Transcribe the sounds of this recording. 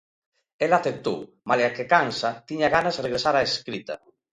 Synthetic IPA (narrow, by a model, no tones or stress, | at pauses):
elaθep̚t̪ow | maleakekansat̪iɲaɣanazreɣɾesaɾaeskɾit̪a̰